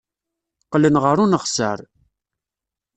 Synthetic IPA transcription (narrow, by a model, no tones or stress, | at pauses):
qlənʁəɾunəχsə̰ɾ